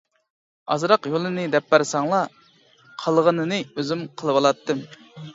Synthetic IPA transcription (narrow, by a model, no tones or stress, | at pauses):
ɑ̰zɾɑqjolˠɨnɨd̪ɛpːæɾsɑŋlˠɑ | qʰəlˠʁənɨnɨøzymqʰəlˠɨwɑlˠɑt̪ʰːɨm